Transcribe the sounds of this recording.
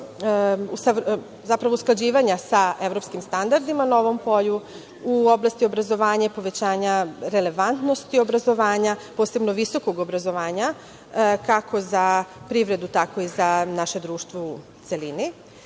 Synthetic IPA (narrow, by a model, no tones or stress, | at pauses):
usa | zapɾaʋousklˠad͡ʑiːʋaɲasae̞ʋɾo̞pskimst̪and̪aɾd̪imano̞ʋo̞mpo̞ʎu | uoblˠast̪io̞bɾazo̞ʋaːɲapo̞ʋe̞t͡ɕaːɲaɾe̞le̞ʋant̪no̞st̪io̞bɾazo̞ʋaːɲapo̞ːse̞bnoʋiso̞ko̞ɡo̞bɾazo̞ʋaːɲa | kakʰo̞zapɾiʋɾe̞d̪ut̪ako̞izanaʃe̞d̪ɾuːʃt̪ʋou | t̪se̞lini